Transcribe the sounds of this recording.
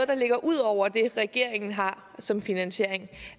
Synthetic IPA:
ð̩ˠd̥ɑ̈le̝ɡ̥ɐʔuð̞̰ˠɒʊ̰ɐd̥e̝ʁɛɡ̥e̝ɐ̰e̝ŋn̩ɦɑ̈ | sɒ̽mfinænɕe̝ɐ̰eŋ

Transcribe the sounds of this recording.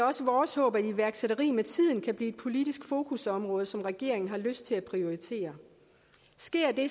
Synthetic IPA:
ɒ̽səʋɒːshɔ̰ːb̥æiʋæɐɡ̥seɾɐʁḭːmet͡sʰið̞̰ˠn̩kʰæb̥liːed̥̚pʰo̝lid̥isɡ̥fo̝ːkʰusɒ̽mʁɔ̽ːð̞ˠəsɒ̽mʁɛɡ̥e̝ɐ̰e̝ŋn̩ɦɑ̈løsd̥̚t͡sʰe̝læpʰʁio̝it͡sʰe̝̰ːɐ | sɡ̥e̝ɐ̰d̥e̝

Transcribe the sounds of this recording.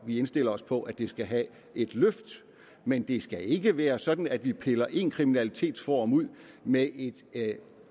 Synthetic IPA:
ʋiensd̥e̝l̰ɐɒ̽spʰɒ̽ʔæd̥e̝sɡ̥æɦæ | e̝d̥løfd̥ | mend̥e̝sɡ̥æe̝ɡ̥əʋæːɐsɒ̽d̥n̩æd̥ʋipʰelɐʔe̝nkʰʁiminælit͡sʰe̝̰ːd̥fɒ̰ɒmuð̞̰ˠ | mee̝d̥

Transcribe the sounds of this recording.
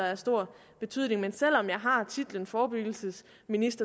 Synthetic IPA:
ɐæɐsd̥o̝ɐ̰ | b̥e̝t͡sʰy̰ð̰ˠne̝ŋmensel̰ɒ̽mjɑ̈ɪɦɑ̈t͡sʰid̥lənfɒːb̥yɡ̥l̩səs | minisd̥ɐ

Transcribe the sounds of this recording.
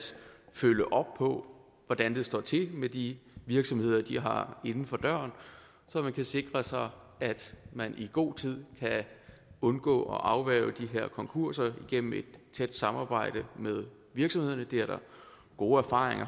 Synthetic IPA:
føləʔɒ̽b̥̚pʰɒ̽ | ʋɒd̥ænd̥e̝sd̥ɒ̰ːt͡sʰe̝med̥iʋiɐɡ̥sɒ̽mhe̝ð̞̰ˠɐd̥iɦɑ̈e̝nn̩fɒ̽d̥ɶɐ̰n | sɒ̽mænkʰæse̝ɡ̥ʁɐsɑ̈ɪ | æd̥mænʔiɡ̥o̝̰ːt͡sʰið̞̰ˠkʰæ | ɔ̽nɡ̥ɔ̰ːɒ̽ʔɑ̈ʊʋæːʊd̥iɦeɐ̰kʰɒ̽ŋkʰuɐ̰sɐiɡ̥en̰m̩e̝d̥̚t͡sʰed̥sɑ̈mɑ̈ːb̥ɑ̈ɪ̰ɾ̥əmeð̞ˠ | ʋiɐɡ̥sɒ̽mhe̝ð̰ˠɐnəd̥e̝æɐɾ̥ɑ | ɡ̥o̝ːæɐfɑ̈ːʁeŋɐ

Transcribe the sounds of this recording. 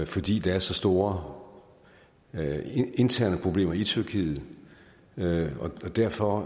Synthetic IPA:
fɒ̽d̥ḭːd̥ɑ̈æɐsɒ̽sd̥o̝ːɐ | e̝nt͡sʰæɐ̰nəpʰʁo̝b̥le̝̰ːmɐit͡sʰyɐkʰḭːð̩ˠ | ɒ̽d̥æɐfɒ̽

